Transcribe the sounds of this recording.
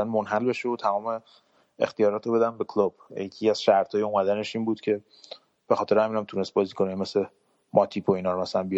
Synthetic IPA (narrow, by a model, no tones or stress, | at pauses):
ænmonɦælbe̞ʃeot̪ʰæmɒːme | ḛxt̪ijɒːɾɒːt̪ɾobe̞d̪ænbekʰlob̥jecʰiæz̥ʃæɾt̪ʰɒːjeumæd̪æne̞ʃiːnbuːd̪̥cʰe̞ | b̥exɒːt̪ʰeɾɛhæminæmt̪ʰunest̪̚bɒːzikʰonjme̞sle | mʔɒt̪ʰipʰoinɒːɾomæsælænbi